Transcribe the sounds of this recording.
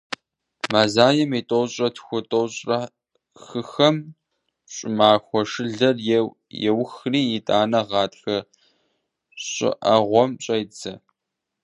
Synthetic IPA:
maːzaːjɛmitʼowɕʼɐtʰxʷʊtʼowɕʼrɐ | xɨxɐm | ɕʼɪmaːxʷɔʂɨɮɐr | jɛwxriːɪtʼaːnɐʁɑːtxɐ | ɕʼɪ̰ʔɐ̰ʁʷɔmɕʼɐjt͡sɐ

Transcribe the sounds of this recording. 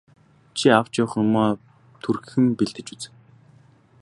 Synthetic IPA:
t͡ɕʰiaw̥t͡ɕɔːχɞ̆mɔː | t̪ʰurxɘ̆mpiɮt̪ɘ̆t͡ɕut͡sɘ̆

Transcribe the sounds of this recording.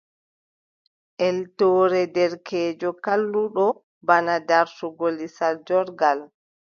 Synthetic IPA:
ʔɛltɔːɾɛdɛɾkʰɛːd͡ʒɔkalːuɗɔ | banadaɾsuɡolisald͡ʒɔɾɡal

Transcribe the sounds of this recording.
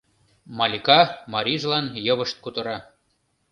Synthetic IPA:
mɑlʲikɑmɑɾʲiʒlɑnjɤ̆βə̆ʃt̪̚kut̪ɤ̆ɾɑ

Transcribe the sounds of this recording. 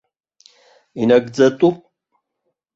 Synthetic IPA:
inɐɡd͡zɐtʼupʼ

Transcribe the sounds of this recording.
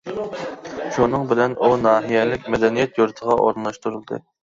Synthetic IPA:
ʃunɨŋbɪlɛnʔunɑːɦijɛlɪk̚ʲmɛd̪ɛnijɛt̪juɾt̪ʰəʁɑʔo̰ɾnlˠɑʃt̪uɾulˠd̪ɨ̰

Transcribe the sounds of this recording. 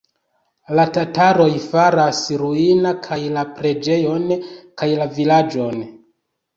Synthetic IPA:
latataɾo̞jfaɾasɾuinakʰajlapɾe̞d͡ʒe̞jo̞nkajlavilad͡ʒo̞n

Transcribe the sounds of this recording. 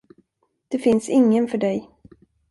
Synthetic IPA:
d̪̥ɛfɪnsɪŋːənfœɖɛj

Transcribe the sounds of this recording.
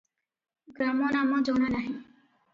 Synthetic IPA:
ɡɾaːmoːnaːmãːd͡ʒoːɽ̃aːnaːɦĩː

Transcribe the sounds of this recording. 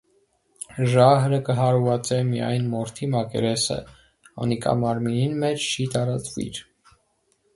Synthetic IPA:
ʒɑɦɾəkəɦɑɾvɑt͡sɛmijɑ̰jnmɔɾt̪ʰimɑkɛ̰ɾɛsə̰ | ɑ̰nikʰɑ̰mɑɾmininmɛt͡ʃʰt͡ʃʰit̪ɑɾɑt͡svḭɾ

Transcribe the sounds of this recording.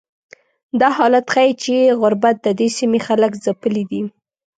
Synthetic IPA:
d̪ɑhɑlat̪xajit͡ʃeɣʊɾbat̪̚d̪əd̪esimexaləkzapəlid̪i

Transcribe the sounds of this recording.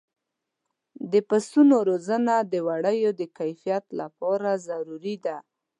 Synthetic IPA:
d̪əpast̪unoɾozənad̪əwaɽəjod̪əkajfijat̪lapɑɾazaɾuɾid̪a

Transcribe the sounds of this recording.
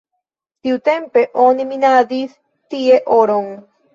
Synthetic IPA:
siut̪empeʔoniminaðiθ | t̪ieʔoɾoŋ

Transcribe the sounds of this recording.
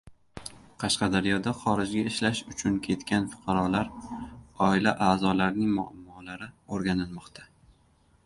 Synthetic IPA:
qʰɑʃqɑd̪aɾjɒd̪aχɒɾɪd͡ʒɡʲaɪʃlaʃʊt͡ʃʰʊnkʲʰe̞t̪kʲanfʊ̥qʰɑɾɒlaɾ | ɒɪlaʔaːzɒlaɾnɪŋmʊa̰mːɒlaɾɪoɾɡʲanɪlˠmɒqt̪ʰa

